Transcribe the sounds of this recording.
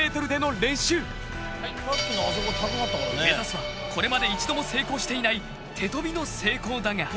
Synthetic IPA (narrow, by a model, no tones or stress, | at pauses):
eːt̪o̞ɾɯ̟d̪e̞no̞ɾẽ̞ɕɨː | aikk̪ɯnaazoɡohakanat̪ːakaɾ̰nemet̪asɨβa | kʰo̞ɾe̞mad̪e̞it͡ɕid̪o̞mo̞se̞ːko̞ːɕi̥t̪e̞inai | t̪ʰe̞t̪o̞bʲino̞se̞ːko̞ːd̪aŋa